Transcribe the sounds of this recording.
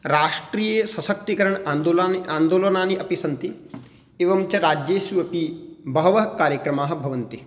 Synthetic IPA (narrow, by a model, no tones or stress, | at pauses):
ɾaːʂʈɾiːjeːsɐsɐk̚t̪ikɐɾɐɳaːnd̪oːlanaːnd̪oːlɐnaːniʔɐpisɐnt̪i | eːʋɐmt͡ʃɐɾaːd͡ʒjeːʃjuɐpibɐɦɐʋɐɦɐkaːɾjɐkɾɐmaːɦɐ̆bʱɐʋɐnt̪i